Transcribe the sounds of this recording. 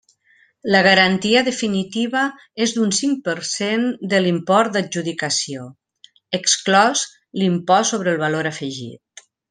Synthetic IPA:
ləɣ̞əɾant̪iəðəfinit̪iβə | ezd̪unsiŋ̚pəɾsend̪əlimpɔɾt̪̚d̪ad͡ʒuðikəsio | əksklɔz | limpɔsoβɾəlˠβaloɾəfəʒḭt̪̚

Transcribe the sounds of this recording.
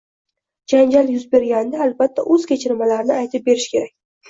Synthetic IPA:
d͡ʒand͡ʒaljʊzbe̞ɾɡʲand̪aːlbat̪ʰːa̰ʔɵz̥kʲʰet͡ʃʰɪɾmalaɾnɪajt̪ʰɪp̚be̞ɾɪʃkʲʰe̞ɾakʲ

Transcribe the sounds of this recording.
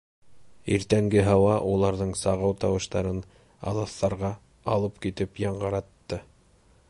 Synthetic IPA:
ḭɾt̪æŋɡɘɦɑwɑʔulˠɑɾðɤɴsɑʁɤwt̪ɑwɤ̆ʃt̪ɑɾɤn | ɑ̰lˠɑθːɑɾʁɑ | ɑlˠɤpkit̪ɘpjɑɴɢɤ̆ɾɑt̪ːɤ

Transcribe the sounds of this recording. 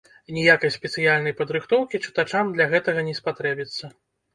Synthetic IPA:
nʲijakɐjsʲpʲɛt̪sɨjalʲnɐjpɐd̪ɾɨxt̪ɔwkʲit͡ʂɨ̥t̪at͡ʂamd̪lʲɐɣɛt̪ɐɣɐnʲɛspat̪ɾɛbʲit̪sːɐ

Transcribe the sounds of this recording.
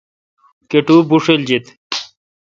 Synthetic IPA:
keʈubuʂeld͡ʑet̪

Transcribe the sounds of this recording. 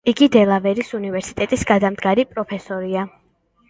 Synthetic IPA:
iɡid̪ɛlˠavɛɾisunivɛɾsit̪ʼɛt̪ʼisɡad̪amd̪ɡaɾipʼɾɔpʰɛsɔɾia

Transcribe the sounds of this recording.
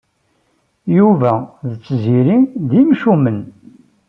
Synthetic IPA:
juvæðət͡sːziɾiðimʃumən

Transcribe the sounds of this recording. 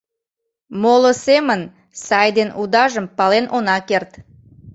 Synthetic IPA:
moləsemən | sɑjd̪enʔud̪ɑʒəmpɑlenʔonɑkert̪

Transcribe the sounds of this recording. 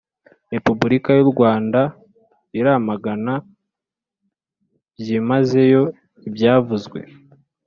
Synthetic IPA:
ɾe̞pubuɾikajuɾɡwaːnda | iɾamaɡana | bjimaze̞jo̞ | ibjaːvuzɡwe̞̰

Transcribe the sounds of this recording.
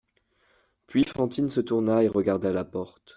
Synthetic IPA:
pɥifɑ̃t̪insət̪uʁnaeʁəɡaʁd̪alapɔʁt̪

